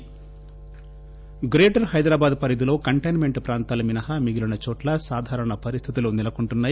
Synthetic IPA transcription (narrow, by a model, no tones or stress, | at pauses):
ɡɾeːʈɐɾhɐjd̪ɾaːbaːd̪pɐɾid̪ulo̞ːkɐɳʈɐjnme̞ɳʈpɾaːnt̪aːlɐminɐɦɐmiɡilunɐt͡ʃɔːʈlɐsaːd̪ʱaːɾɐɳɐpɐɾist̪ʰit̪̬iluːnilɐkuɳʈunːaː